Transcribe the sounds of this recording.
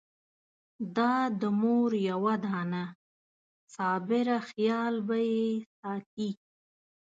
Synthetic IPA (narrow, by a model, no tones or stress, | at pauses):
d̪ɑd̪əmoɾjawad̪ɑːna | sɑːbɪɾaxjɑːlbajesɑːt̪̚i